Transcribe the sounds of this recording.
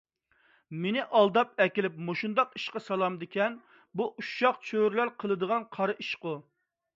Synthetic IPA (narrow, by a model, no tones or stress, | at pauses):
menɪʔɑlˠd̪ɑp̚ɛkʲilɪp̚moʃund̪ɑqiʃqɑsɑlˠɑmd̪ɪkʲʰɛn | buʔuʃɑqt͡ʃʰøɾlæɾqʰəlˠɨd̪əʁɑnqʰɑɾɨʔiʃqʊ